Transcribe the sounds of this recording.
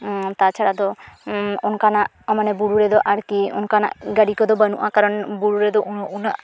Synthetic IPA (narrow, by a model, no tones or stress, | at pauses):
t̪at͡ʃʰaɽad̪ɔ | onkanaʔ | ɔmanɛbuɽuɾɛd̪ɔʔaɾkiṵnkana̰ʔɡaɽikɔd̪ɔbənṵʔakaɾɔnbuɽuɾɛd̪ɔʔunaʔ